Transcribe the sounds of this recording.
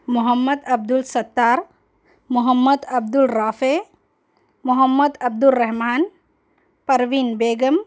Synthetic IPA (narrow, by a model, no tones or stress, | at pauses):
mʊɦɐmːɐd̪ɐb̚d̪ulsɐt̪ːaːɾ | mʊɦəmːɐd̪ɐb̚d̪ulɾaːfe | mʊɦɐmːɐd̪ɐb̚d̪ulɾɐɦmaːn | pɐɾʋinbeːɡɐm